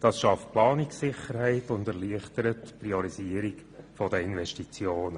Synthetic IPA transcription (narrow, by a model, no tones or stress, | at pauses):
d̥ɑsʃɑft̚plɑːnɪksɪχəɾhɛɪtʊndɛʁliəχtəɾətpriɔɾiziəɾik | fɔdəɪnvɛʃtit͡sjoːnə